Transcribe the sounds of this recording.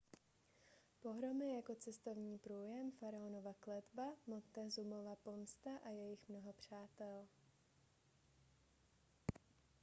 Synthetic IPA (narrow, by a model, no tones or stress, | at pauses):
po̞ɦɾo̞mɪjako̞t͡sɛst̪o̞vɲiːpɾuːjɛmfaɾaono̞vaklɛd̪bamot̪ːɛzumo̞vapo̞mst̪aʔajɛjɪxmnoɦo̞pr̝̥aːt̪ɛl